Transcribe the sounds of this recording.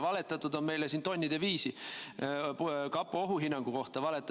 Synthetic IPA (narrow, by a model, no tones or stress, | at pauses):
vɑle̞t̪ːˑɑt̪ːˑud̪̥o̞nme̞jlesiːnt̪o̞nʲːid̪̥e̞viːsi | kɑpːˑuoɦuɦinːɑŋɡ̥uko̞ht̪ɑvɑlet̪ːˑ